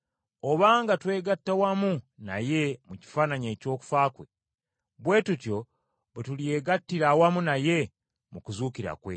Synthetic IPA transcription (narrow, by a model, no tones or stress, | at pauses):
o̞βaːŋɡatwe̞ːɡatːawamuna̰je̞muci̥faːnaɲeːco̞ːku̥faːkwe̞̰ | βwe̞ːtutjo̞ | βetulie̞ːɡatːiɾawamunaje̞ | mukuzuːkiɾa̰kwe̞̰